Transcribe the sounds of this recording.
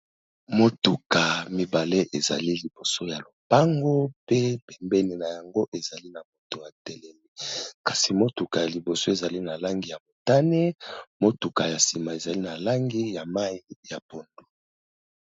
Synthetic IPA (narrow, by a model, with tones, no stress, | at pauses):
mo˦tu˨ka˨mi˨ba˨le˦ʔe˨za̰˨li˦li˨bo˨so˦ja˨lo˨pa˦ŋɡo˦pe˦pɛ˨mbɛ˦ni˨na˨ja˨ŋɡo˦ʔe˨za˨li˦na˨mo˨to˨ja˨tɛ˨lɛ˨mi˦˨˦kḁ˨si˨mo˦tu˨ka˨ja˨li˨bo˨so˦e˨za˨li˦na˨la˦ŋɡi˨ja˨mo˨ta˦ne˦mo˦tu˨ka˨ja˨si˨ma˨e˨za˨li˦na˨la˦ŋɡi˦ja˨ma˦i˦ja˨po˨ndo˨